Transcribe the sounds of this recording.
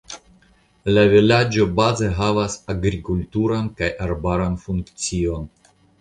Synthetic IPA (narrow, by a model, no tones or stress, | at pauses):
lavilad͡ʒo̞baze̞ɦavasaɡɾikultuɾankajʔaɾbaɾanfuŋkt͡sio̞n